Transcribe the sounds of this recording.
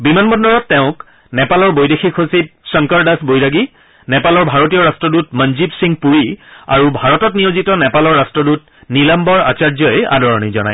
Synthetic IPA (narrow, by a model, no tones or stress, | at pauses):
bimanbɔndɔɹɔtːɛʊ̃k | nɛpalɔɹbojdexikʰosip̚sɔŋkaɹdasbojɹaɡi | nɛpalɔɹbʱaɹotijɔɹastɹɔdutmənzibsiŋpuɹia̰ɹubʱaɹɔtɔtnijozitɔnɛpalɔɹːastɹɔdut | nilambɔɹa̰t͡ʃaɹzɔja̰dɔɹɔnizɔna̰j